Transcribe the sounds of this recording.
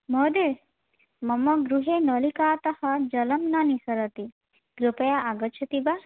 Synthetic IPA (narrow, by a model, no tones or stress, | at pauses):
mɔːd̪e | mɐmɐɡɾuɦeːnɔlikaːt̪ɐhɐd͡ʒɐlɐmnɐnisɐɾɐt̪i | ɡɾupɐjaʔaɡɐt͡ʃʰɐt̪iba